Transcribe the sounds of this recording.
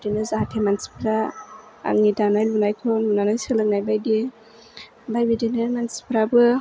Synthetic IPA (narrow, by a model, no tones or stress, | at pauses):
denɯzaɦatʰemansi̥pʰɾa | a̰ŋidanajlunajkʰɔnunanajsɯlɯk̚najbajdi | bajbidinɯmansi̥pʰɾabɯ